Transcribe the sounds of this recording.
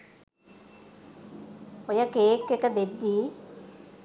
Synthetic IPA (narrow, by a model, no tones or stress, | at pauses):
ojəkeːkːekəd̪ed̪ːiː